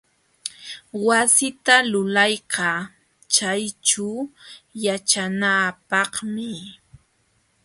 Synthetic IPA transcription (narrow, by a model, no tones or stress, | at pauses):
wasɪt̪alʊlɑjqɑ | t͡ʃajt͡ʃa | jat͡ʃanapɑχmɪ